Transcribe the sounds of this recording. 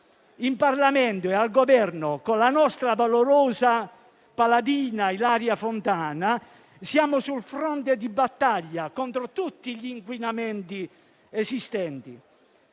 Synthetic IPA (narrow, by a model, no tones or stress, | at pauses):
imparlamɛnt̪ʊealɡɔvɛrnʊkolanɔst̪ɾavaloɾɔːza | palad̪iːnailaːɾjafont̪aːna | sjaːmʊsulfɾɔnt̪̬ed̪ibat̪ːaʎːakɔnt̪ɾot̪ut̪ːiʎiːŋkwinamɛnt̪i | ezist̪ɛnt̪i